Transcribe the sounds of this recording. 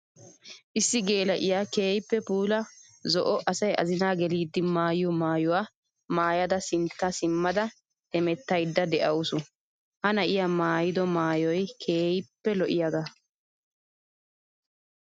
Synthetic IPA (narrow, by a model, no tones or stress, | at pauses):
ʔɪsːɪɡe̞ːlɐʔɪjaːkeːjɪpːɛpuːlɐ | zɔʔɔʔɐsɐjɐ̰zɪnaːɡɛliːd̪ːɪmaːjɪjɔmaːjʊwaː | maːjɐd̪ɐsɪnt̪ːasɪmːɐd̪ɐ | ɛmɛt̪ːɐjd̪ːɐd̪ɛʔɐʊsʊ | hɐnɐʔɪjamaːjɪd̪ɔmaːjɔjkʰeːjɪpːɛlɔʔɪjaɡ̪ɐ